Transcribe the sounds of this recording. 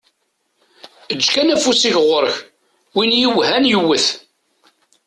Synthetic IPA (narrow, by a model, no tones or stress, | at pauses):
əd͡ʒːkænæfusiçʁəɾəç | winjiwɦænjəwːəθ